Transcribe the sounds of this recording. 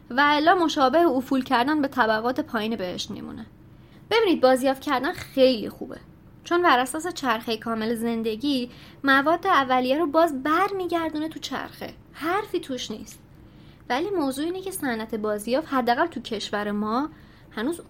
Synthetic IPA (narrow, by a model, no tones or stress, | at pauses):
væelːɒːmo̞ʃɒːbe̞heofuːlcʰæɾd̪ænbe̞t̪ʰæbæɣɒːt̪ʰe̞pʰɒːjiːnebehe̞̰ʃt̪mḭmṵne | b̥e̞biːniːd̪̚bɒːzjɒːft̪cʰæɾd̪ænxe̞jlḭxṵːbḛ | t͡ʃʰo̞nbæɾæsɒːs̬e̞t͡ʃʰæɾxejkʰɒːme̞leze̞nd̪e̞ɟiː | mævɒːd̪ːeævːælijæɾobɒːzbæɾmiːɟæɾd̪unet̪ʰut͡ʃʰæ̰ɾxḛ | hæɾfiːt̪ʰuʃnḭːst̪̚ | væliːmoːzuːiːnecʰe̞sænʔæt̪ʰe̞bɒːzijɒːfhæd̪ːæɣælt̪ʰucʰe̞ʃvæɾemɒː | hænuːz